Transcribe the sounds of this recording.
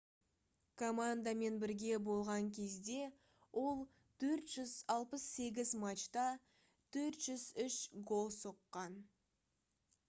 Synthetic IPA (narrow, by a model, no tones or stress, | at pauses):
kʰomand̪ame̞nbɪɾɡʲe̞bo̞lˠʁɑŋkʲʰe̞zd̪e̞ | wʔo̞lˠ | t̪ʰɵɾt̪ʒ̥ʏzɑlˠpəsːe̞ɡʲɪzmat͡ʃt̪ɑ | t̪ʰɵɾt̪ʒ̥ʏzʏʃɡo̞lˠsoqːɑn